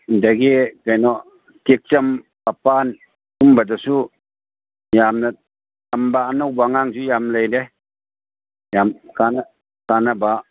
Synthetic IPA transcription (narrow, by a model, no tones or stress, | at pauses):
daɡikajnɔ | tik̚t͡ʃampapan | umbadɔsu | jamna | ambaanɔwbaŋaŋzujamlejdɛ | jamkana | kanaba